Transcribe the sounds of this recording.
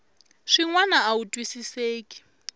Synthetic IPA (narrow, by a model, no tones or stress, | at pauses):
ʂiŋwanaautʼwisiseːkʼi̥